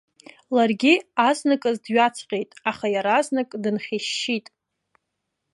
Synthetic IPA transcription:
larɡʲiaznɨkʼɨzdɥat͡sʰqʲʼejtʼaχajaɾaːznɨkʼdɨnχʲeʃːitʼ

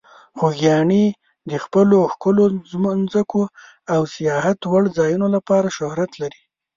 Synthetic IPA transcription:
xoɡjɑɳi | d̪əxpəloxkʊlozmnzəko | awsijɑhat̪waɽd͡zɑjunolapɑɾaʃʊhɾat̪laɾi

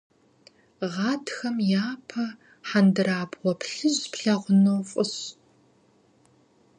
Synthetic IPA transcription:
ʁɑːtxɐmjaːpʰɐ | ħandɨraːbʁʷɔpɬɨʑpʰɬɐʁʷʊnowfʼʊɕ

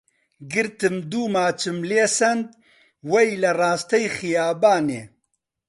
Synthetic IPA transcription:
ɡɨɾt̪ɨmd̪uːmaːt͡ʃʰɨmleːsɐnd̪ | wɐjlɐraːst̪ɐjxijaːbaːnḛː

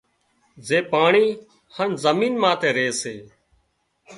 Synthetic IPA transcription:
zeːpaːɳiː | hənzəmiːnmãːt̪eːɾeːseː

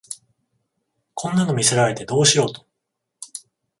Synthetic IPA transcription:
kʰõ̞nːano̞mʲiseɾae̞t̪e̞d̪o̞ːɕiɾo̞ːt̪o̥

